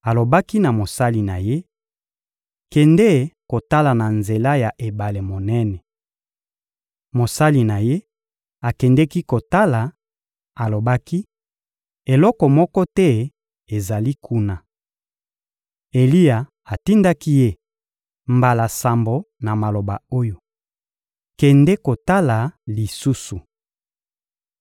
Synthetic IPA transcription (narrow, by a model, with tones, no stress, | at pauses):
a˨lo˨ba˦ki˦na˨mo˨sa˦li˨na˨je˦ | kɛ˨nde˦˨ko˨ta˦la˨na˨nze˨la˦ja˨ʔe˨ba˨le˨mo˨nɛ˦nɛ˨ | mo˨sa˦li˨na˨je˦ | a˨kɛ˨ndɛ˦ki˦ko˨ta˦la˨ | a˨lo˨ba˦ki˦ | e˨lɔ˦kɔ˨mɔ˦kɔ˦tɛ˦ | e˨za˨li˦kʰu˦na˨ | e˨li˦a˨ | a˨ti˦nda˦ki˦je˦ | mba˨la˨sa˨mbo˨na˨ma˨lo˨ba˨o˦jo˨ | kɛ˨ndɛ˦ko˨ta˦la˨li˨su˦su˨